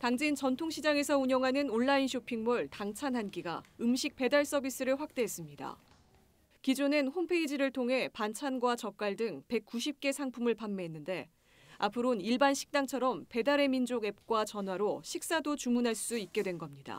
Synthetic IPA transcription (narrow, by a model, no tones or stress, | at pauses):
taŋd͡ʑint͡ɕʌntʰoŋɕʰid͡ʑaŋe̞sʰʌuɲʌŋɦanɯnoɭːainɕʰopʰiŋmuɭtaŋt͡ɕʰanɦanɡiɡa̰ɯmɕʰik̚pe̞daɭs͈ʌbis͈ɯɾɯɭɸwak̚t͈e̞ɦes͈ɯmɲida̰ | kid͡ʑonenhompʰe̞id͡ʑiɾɯɭtʰoŋɦe̞pant͡ɕʰanɡwat͡ɕʌk̚k͈waɭdɯŋpe̞k̚k͈uɕʰip̚k͈e̞sʰaŋpʰumɯɭpamːeɦenːɯnde̞ | apʰɯɾoniɭbanɕʰi̥k̚t͈aŋt͡ɕʰʌɾʌmpe̞daɾe̞mind͡ʑoɡe̞p̚k͈wat͡ɕʌnwaɾoɕʰik̚s͈adot͡ɕumunɦaɭs͈uit̚k͈e̞dwe̞nɡʌmɲida̰